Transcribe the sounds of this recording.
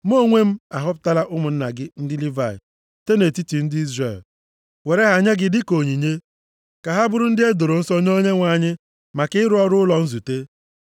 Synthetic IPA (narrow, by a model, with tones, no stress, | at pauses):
m˦o˦˨ŋʷe˦m̩˦a˨ɦʊ˦pʊ̥˦ta˦la˦ʔʊ˦mʊ˨n̩˦na˨ɡɪ˦n̩˦dɪ˦li˦va˨ɪ̰˨ | te˦ne˨ti˦ti˨n̩˦dɪ˦i˦zre˨l | we˨ɾe˦ɦa˨ɲe˦ɡɪ˦dɪ˦ko˨ɲi˨ɲe˦ | ka˨ɦa˦bʊ˦ɾʊ˦n̩˦dɪ˦e˦do˨ɾo˨n̩˦so˦ɲ˦o˦ɲe˦ŋʷa˨ɲɪ˦ | ma˨kɪ˦ɪ˦ɾʊ˦ɔ˦ɾʊ˦lɔ˨n̩˦zu˨te˦